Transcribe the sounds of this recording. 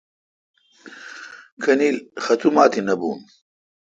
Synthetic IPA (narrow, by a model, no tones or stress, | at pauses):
kʰɐniːlxɐt̪ʰumaːt̪inɐbṵːn